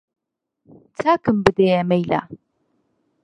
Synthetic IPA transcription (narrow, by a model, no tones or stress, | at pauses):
t͡sʰaːkʰɨmbɨd̪ejɛmejla̰